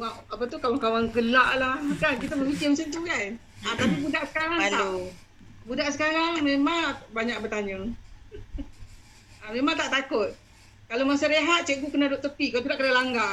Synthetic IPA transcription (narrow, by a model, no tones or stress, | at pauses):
waʔapat̪ukawaŋkawaŋkəlaʔlahkankit̪aməfikɪmset̪ukan | at̪apibudaʔsə̥kaɾaŋt̪au | budaʔsəkaɾaŋmemaŋbaɲaʔk̚bət̪aɲʊŋ | amemaŋt̪aʔt̪akʊt̪̚ | kalomasaɾeɦat̪̚t͡ʃeʔɡuʔkənadoʔt̪əpikaat̪udaʔkədalaŋɡa